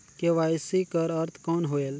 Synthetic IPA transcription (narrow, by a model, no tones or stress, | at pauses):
keʋaːjsikəɾɐɾt̪ʰkɔːnɦoːeːl